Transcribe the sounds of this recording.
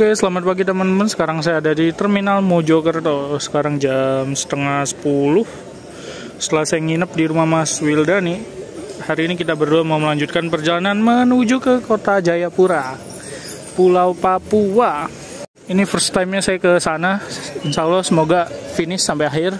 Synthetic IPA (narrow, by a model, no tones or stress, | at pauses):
kajasəlamat̪̚paɡit̪əmənmənsə̥kaɾaŋs̬ajaːdadit̪ərminalmod͡ʒokərt̪osə̥kaɾaŋd͡ʒamsə̥t̪əŋahsə̥pulʊh | sət̪əlasajaŋinəp̚diɾumamaswildanihaɾiːnikit̪abərduamauməlaɲd͡ʒut̪̚kanpərd͡ʒalananmənud͡ʒukəkot̪ad͡ʒajapuɾa | pulawpapua | inifərst̪amɲasajakəsanaɪnsalasəmoɡafinɪsːampajaɦɪr